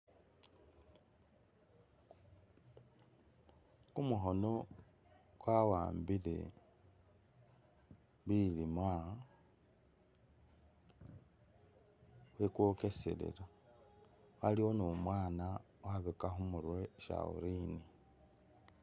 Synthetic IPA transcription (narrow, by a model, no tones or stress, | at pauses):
kumuxono̞ | kwawaːmbilḛ | βilima | wekwokesḛlḛla | walionomwaːna | waβekaxumuɾweʃa̰ṵɾini